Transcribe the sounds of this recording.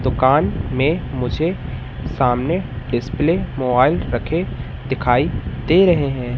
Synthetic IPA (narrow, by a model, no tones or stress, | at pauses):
d̪ʊkaːnmẽmʊd͡ʒʱe | saːmneɖɪspleːmoːbaːɪlɾɐkʰe | d̪ɪkʰaːid̪eːɾɐɦeɦɛ̃ː